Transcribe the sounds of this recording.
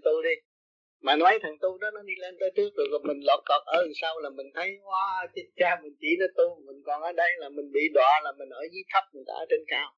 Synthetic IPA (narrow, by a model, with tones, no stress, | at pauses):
t̪u˧ɗi˧ | maː˨˩nɔ˨˦jt̪ʰa˨˩ŋt̪u˧ɗɔ˨˦nɔ˨˦ɗi˧le˧nt̪əː˨˦jt͡ɕɨ˦˥ək̚ɗɨ˨˩kɔ˨˩mï˨˩ŋ̟lɔ˨˩t̚lɔ˨˩t̚ʔəː˨˧˦saː˧wlaː˨˩mï˨˩ŋ̟t̪ʰə˨˦jkwaː˨˦˧t͡ɕi˧nt͡ɕaː˧mï˨˩ŋ̟t͡ɕi˧˩˦nɔ˨˦t̪u˧mï˨˩ŋ̟kɔ˨˩nʔəː˨˧˦ɗə˧jlaː˨˩mï˨˩ŋ̟ɓḭ˧˨ɗwa̰ː˨˩laː˨˩mï˨˩ŋ̟ʔəː˧˩˦jzi˨˦k̪ʰə˦˥p̚mɨ˨˩jt̪a̰ː˧˨˧t͡ɕe˧nkaː˧w